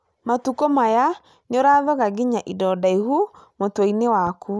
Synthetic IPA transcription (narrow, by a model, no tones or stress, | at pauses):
matukomaja | ɲoɾaðɔɣaɡiɲaʔidɔdaihumotwoinewaku